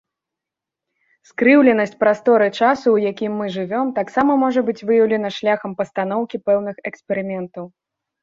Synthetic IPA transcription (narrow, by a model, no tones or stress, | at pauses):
skɾɨwlʲɛnɐsʲt͡sʲpɾast̪ɔɾɨt͡ʂasuwjakʲimːɨʐɨvʲɔmt̪aksamɐmɔʐɐbɨt͡sʲvɨjɐwlʲɛn̪ɐʂlʲaxɐmpɐst̪an̪ɔwkʲipɛwnɨxɛkspʲɛɾɨmʲɛnt̪ɐw